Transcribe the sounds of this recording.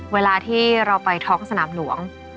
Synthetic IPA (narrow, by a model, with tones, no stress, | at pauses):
weː˧laː˧t̪ʰiː˥˩ɾa˧wpa˧jt̪ʰɔː˦˥ŋsa˧naː˩˦mlu˩˦əŋ